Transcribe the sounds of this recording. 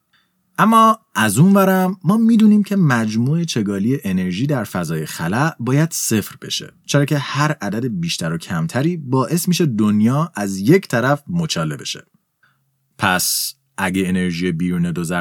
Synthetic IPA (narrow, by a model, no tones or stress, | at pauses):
ʔæmːɒːʔæzunvæɾæmːɒːmiːd̪uːniːmcʰemæd͡ʒmuːe̞t͡ʃʰe̞ɡɒːliːje̞ʔene̞ɾʒiːd̪æɾfæzɒːjexælæʔbɒːjæd̪̥se̞fɾb̥e̞̰ʃḛt͡ʃʰeɾɒːcʰe̞hæɾʔæd̪æd̪ebiːʃt̪ʰæɾo̞cʰæmt̪ʰæɾiːbɒːʔe̞smiːʃe̞d̪onjɒːæzje̞cʰt̪ʰæɾæfmot͡ʃʰɒːle̞̰be̞ʃe̞̰ | pʰæs | ʔæɟeeneɾʒiːjebiːɾuːned̪ozæ